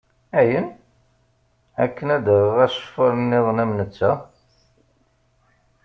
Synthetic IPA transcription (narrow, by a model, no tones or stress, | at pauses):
æjən | ækːənæd̪əʁʁæʃə̥fɑɾˤnːɪðˤnæmnət͡sːæ